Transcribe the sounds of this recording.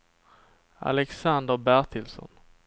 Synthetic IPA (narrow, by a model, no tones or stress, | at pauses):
a̰lɛksand̪əɾbæɾʈ̪ʰɪlsɔ̰n